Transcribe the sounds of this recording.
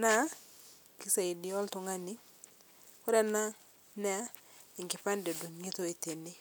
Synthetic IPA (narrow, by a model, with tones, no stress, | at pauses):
na˦ | ki˦sa˨i˨di˨ɔ˦ltu˨ŋa˦ni˦ | ku˦ɾa˦na˦ | nɛ˦a˦i˨ŋki˨pa˦nde˨du˨ŋi˦to˦i˨te˨ni˦